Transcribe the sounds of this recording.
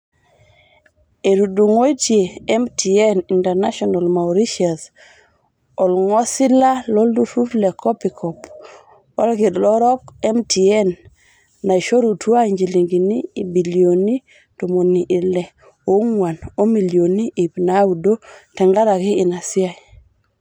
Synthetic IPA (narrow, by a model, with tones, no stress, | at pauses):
e˨ɾu˨du˨ŋo˦i˦tje˨ɛ˦mtʰi˨ɛ˦ni˨ntɛ˨ɾna˦ʃɔ˨na˨lma˨ɾi˦ʃia˨s | ɔ˨lŋɔ˦sɪ˦la˦lɔ˦ldu˦fu˦flɛ˨kʰɔ˦pi˨kʰɔ˨p | ɔ̰˦lɡɪ˨dlɔ˦ɾɔ˦kɛ˦mtʰi˨ɛ˦nː | a˨i˨ʃo˦ɾu˨tʰwa˦ɲd͡ʒi˨li˨ŋɡi˨niː˦˨bi˨lijo˨ni˦ | to˨mo˨ni˨ʔɪ˨lɛ˨ | o˨ŋwa˨no˦mi˨ljo˨ni˦ʔi˨pna˦u˨do˦tɛ˨ŋɡa˦ɾa˨ɡɪ˦ɪ˨na˨sɪ˦a˨